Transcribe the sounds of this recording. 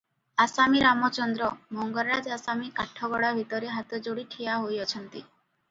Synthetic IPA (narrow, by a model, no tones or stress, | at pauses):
asamiɾamɔt͡ʃɔnd̪ɾɔmɔŋɡɔɾɾad͡ʒasamikaʈʰɔɡɔɽabʱit̪ɔɾeɦat̪ɔd͡ʒoɽiʈʰijaɦojɔt͡ʃʰɔnt̪i